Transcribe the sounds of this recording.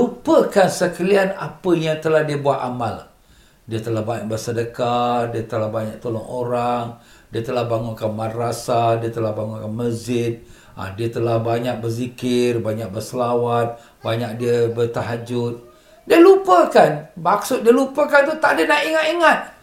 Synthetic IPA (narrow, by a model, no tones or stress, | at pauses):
lupəkansəkəlianapəjaŋt̪əlahdiəbuat̪amal | diət̪əlahbaɲak̚bərsədəkat̚diət̪əlahbaɲak̚t̪olɔŋoɾaŋ | diət̪əlahbaŋʊnkanmadɾasadiət̪əlahbaŋʊnkanməzɪt̪̚ | ʔa̰diət̪əlahbaɲak̚bərzikɪrbaɲak̚bərsəlawat̪̚ | baɲak̚diəbərt̪aɦad͡ʒʊt̪̚ | diəlupəkanmak̚sʊt̪̚diəlupəkant̪ut̪aʔadənaʔiŋat̪iŋat̪̚